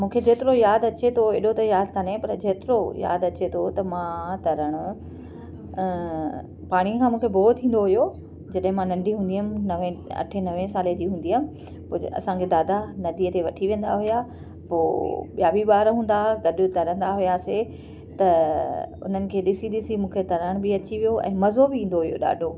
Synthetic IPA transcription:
mũːkʰed͡ʑeːt̪ɪɾojaːd̪ɐt͡ɕet̪ʰoeɗot̪ɐjaːd̪kɐnepɐɾd͡ʑeːt̪ɪɾoja̰ːd̪ɐt͡ɕet̪ʰot̪ɐmãt̪ɐɾəɽ̃ʊ | paːɽ̃iəkʰãːmũːkʰeboːt̪t̪ʰːĩːn̆d̪oɦʊjo | d͡ʑɐɗɦɪ̃mãnɐ̃ɳɖʱiɦũːnd̪iːəmnɐʋẽɐ̰ʈʰenɐʋẽsaːled͡ʑiːɦũːnd̪iːamɪ̆ | pʊɐ̰sãɡed̪aːd̪anɐd̪iːət̪eʋɐʈʰiʋẽːnd̪aɦʊja | poːɓijaːbiɓaːɾɦũːn̆d̪aɡɐɗʊt̪ɐɾə̃n̆d̪aɦʊjase | t̪ɐ | ʊ̰n̤ənɪ̆kʰeːɗɪsiɗɪsimũːkʰet̪ɐɾəɽ̃bɪɐt͡ɕiʋijoʔɛ̰̃ːmɐzobɪĩːn̆d̪oɦʊjo̰ɗa̰ːɖʱo

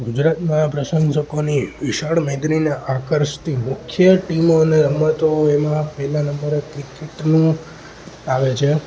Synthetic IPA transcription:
ɡud͡ʒɾat̪mãpɾəʃəŋɡʃəkoniʋɪʃaɭmẽd̪ɾinaʔakəɾʃt̪ʰimʊkʰjəʈimoneɾəmət̪oemãpəɦlãnəmbəɾekɾikeʈnũ | aʋet͡ʃʰe

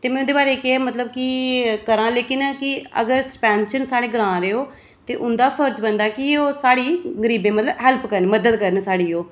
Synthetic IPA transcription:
t̪eːmɛ̃ːʊnd̪eːbaːɾeːkeeːmət̪ləb̚kɪkəɾãːleːkɪnkɪə̰ɡəɾsəɾpɛ̃ːnʃənsaːɽeːɡəɾãːɾeːoː | t̪eːʔʊnd̪aːpʰəɾd͡ʒbənd̪aːkɪoːsaːɽiːɡəɾiːbẽːmət̪ləbɦɛlpkəɾnməd̪əd̪̚kəɾənsaːɽiːoː

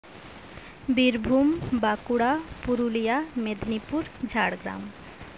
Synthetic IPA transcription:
biɾbʱumbakuɽapuɾulijamed̪nipuɾd͡ʒʱaɽɡɾa̰m

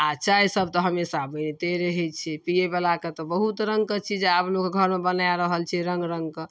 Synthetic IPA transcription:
at͡ʃʰaisəb̚t̪ɔɦəmesabəjnet̪eɾəɦɛt͡ʃʰipiebelaket̪ɔbəɦut̪ɾəŋkət͡ʃʰid͡ʒeablokɡʱəɾmebənajɾəɦəlt͡ʃʰiɾəŋɡɾəŋɡkə

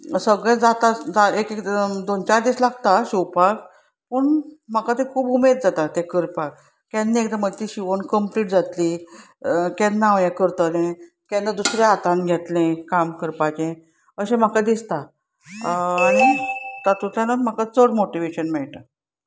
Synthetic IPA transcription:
səɡɭɛ̃d͡zat̪ad͡zaekekd̪ont͡ɕaɾd̪islaɡt̪aɕuwpak | pəɳm̤akat̪ẽkʰuːbumed̪̚d͡zat̪at̪ekəɾpak̚ | kanːiekd̪amət̪iɕiʋənkəmpliːʈ̚d͡zat̪li | kɛnːãʋjãkəɾt̪əlẽ | kɛ̃nad̪usɾjaat̪ãnɡʱjɛt̪lẽkamkəɾpat͡ɕẽ | əɕẽm̤akad̪ist̪a | ɽ̃it̪at̪ut̪ʰanam̤akat͡səɽmoʈiʋeɕənmɛɭʈ̪a

